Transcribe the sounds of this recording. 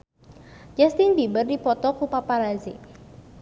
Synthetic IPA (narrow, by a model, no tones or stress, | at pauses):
d͡ʒɛst̪ɪnbibərdipɔt̪ɔkupapaɾazi